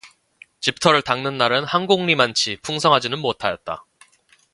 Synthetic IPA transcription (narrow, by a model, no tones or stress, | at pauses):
t͡ɕip̚tʰʌɾɯɭtaŋnɯnːaɾɯnhaŋɡoŋɲimant͡ɕʰipʰuŋsʰʌŋɦad͡ʑinɯnmotʰajʌt̚t͈a̰